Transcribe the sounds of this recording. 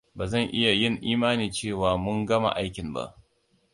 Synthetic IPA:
baː˨zɐ˦˨ŋʔɪ˦ja˨jɪ˦˨ŋʔiː˦maː˦niː˨t͡ʃeː˦˨waː˨mʊ˦ŋɡɐ˦ma̰˨ʔa˦jkʲɪ˨mba̰˦ʔ

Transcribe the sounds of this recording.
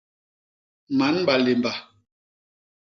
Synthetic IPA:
ma˨˦nba˨le˨mba˨

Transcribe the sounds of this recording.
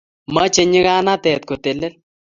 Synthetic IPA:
mɐ˦t͡ʃe˦ɲi˦ɣa˦na˦t̪ɛː˨t̪̚ko˨t̪e˨le˦l

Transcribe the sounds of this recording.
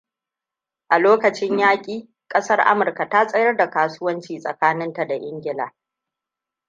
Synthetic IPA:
ʔa˨loː˦kɐ˨t͡ʃɪ˦ɲjaː˦kʲʼiː˨ | kʼɐ˦sɐ˦rʔa̰˦mʊ˨rka˨ta˦sʼɐ˦jɐ˦rda˨kaː˨sʊ˦wɐ˦nt͡ʃiː˨sʼɐ̰˨kaː˦nɪ˦nta˨da˨ʔɪ˦ŋɡʲɪ˦la̰ː˨

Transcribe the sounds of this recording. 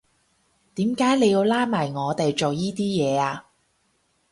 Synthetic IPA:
t̪iː˨˥mkaː˨˥jle˨˧ji˧wlaː˥maː˨˩jŋɔː˨˧t̪e˨jt͡ʃo˨wjiː˥t̪iː˥jɛː˨˧aː˧

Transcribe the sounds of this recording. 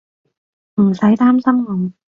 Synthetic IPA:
m̩˨˩sɐ˨˥jt̪aː˥msɐ˥mŋɔ˨˩ŋ

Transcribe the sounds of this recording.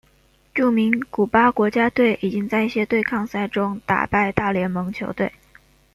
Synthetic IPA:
ʈ͡ʂu˥˩mi˧˥ŋku˨˩pa˥kwɔ˧˥t͡ɕja˥t̪we˥˩ɪʔi˨˩t͡ɕi˥ŋt͡sa˥˧ɪi˥˩ɕjɛ˥t̪we˥˧ɪkʰɑ˥˧ŋsa˥˩ɪʈ͡ʂʊ˥ŋt̪a̰˨˩pa˥˧ɪt̪a˥˩ljɛ˧˥nmɤ˧˥ŋt͡ɕʰjo˧˥ʊt̪we˥˩ɪ

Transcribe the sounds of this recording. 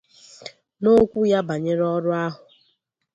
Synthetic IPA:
no˦kʷu˦ja˦ba˨ɲe˦ɾɔ˦ɾʊ˦a˦ɦʊ˨

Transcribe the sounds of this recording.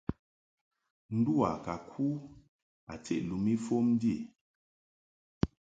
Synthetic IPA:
n̩˦du˦a̰˨ka˨kʰu˦ | a˨t͡sḛ˨ʔlu˨mi˦fo˦m˦di˦˨

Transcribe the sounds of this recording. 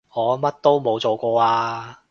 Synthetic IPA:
ŋɔː˨˧mɐ˥t̚t̪o˥wmo˨˧wt͡so˨wkʷɔː˧aː˧

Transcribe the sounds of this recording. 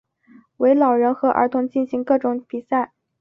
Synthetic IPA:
we˧˥ɪlɑ˨˩ʊɻə˧˥nxɤ˧˥ʔə̰˞˧˥t̪ʰʊ˧˥ŋt͡ɕi˥˩nɕi˧˥ŋkɤ˥˩ʈ͡ʂʊ˧˥˦ŋpi˨˩sa˥˩ɪ

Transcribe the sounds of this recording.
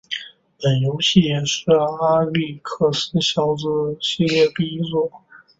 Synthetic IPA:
pə˨˩njo˧˥ʊɕi˥˩jɛ˨˩ʂɻ̩˥˧a˥li˥˩kʰɤ˥˩sə˥ɕjɑ˥˩ʊt͡sɹ̩˥ɕi˥˧ljɛ˥˧pi˥˧i˥t͡swɔ˥˩

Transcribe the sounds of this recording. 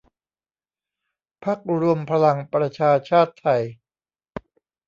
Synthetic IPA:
pʰa˦˥˩k̚ɾu˧əmpʰa˧la˧ŋpɾa˧t͡ɕʰaː˧t͡ɕʰaː˥˩t̪ʰːa˧j

